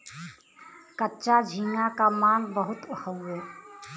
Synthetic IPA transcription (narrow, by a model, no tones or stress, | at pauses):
kətːt͡ʃad͡ʒʱiŋakamanbəɦut̪uhəwe